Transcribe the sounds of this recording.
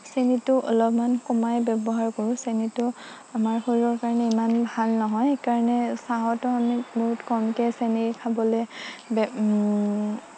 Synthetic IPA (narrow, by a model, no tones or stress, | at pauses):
senitʊʔɔ̰lɔpmankɔmajbɛbɔɦaɹkoɹʊ̃senitʊ | amaɹxoɹiɔɹkaɹɔnɛimanbʱalnɔɦɔjekaɹanɛsaɦɔtʊamiboɦutkɔmkɛsenikʰabɔlɛb